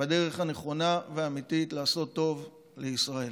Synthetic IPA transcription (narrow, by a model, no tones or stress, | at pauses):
bedeʁe̞χane̞χo̞naveaːmit̪itlaːso̞t̪ːo̞v | leisʁae̞l